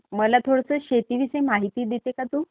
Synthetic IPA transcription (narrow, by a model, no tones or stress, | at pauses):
məlat̪ʰoɽəsəːɕet̪iʋisəjmaɦit̪iːd̪it̪ekat̪uː